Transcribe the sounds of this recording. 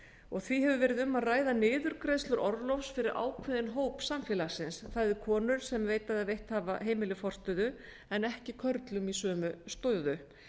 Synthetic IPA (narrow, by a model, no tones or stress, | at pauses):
ɔɣθviɦɛvʏvɛːɾɪðʏmːaðraːjðanɪːðʏɾkɾejst̪ʏɾʔɔɾðlɔfsfɪɾɪɾʔa̰ːwkʰvɪðɪnɦoːwpsamfjɛlasɪnsθaðɪkʰɔːnʏɾ̥sɛmveːjt̪aðaðvejht̪haːva̰ɦeːjmɪlɪfɔr̥t̪ʏðʏ | ɛnɛhcɪkʰœɾt̪lʏmisœːmʏst̪ɔðʏ